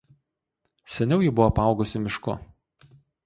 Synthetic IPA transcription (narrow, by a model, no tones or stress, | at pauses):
sʲɛnʲɛʊjibʊʋɔpɑˑʊɡʊsʲɪmʲɪʃkʊ̰